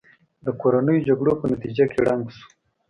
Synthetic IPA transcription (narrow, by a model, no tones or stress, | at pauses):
d̪əkoɾanəjod͡ʒaɡɽopənat̪id͡ʒakḛɽaŋɡsu̥